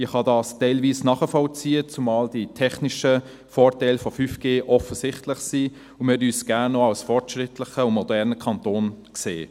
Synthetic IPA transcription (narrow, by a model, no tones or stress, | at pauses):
iχhɑdɑːstɛɪlviːsnɑːχəfɔlt͡siːət͡sumɑːld̥itʰɛχniʃə | fɔːrtɛɪlfɔfyfɡ̥eːʔɔfəsɪχtlɪχsiː | ʊnmɛdyːsɡ̥ænːɔɑwsfɔrtʃʁɪtlɪχəʊnmɔdɛʁnəkʰɑntoːnkseː